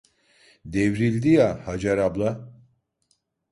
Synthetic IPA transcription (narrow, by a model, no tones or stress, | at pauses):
d̪evɾilʲd̪ijahad͡ʒaɾablˠa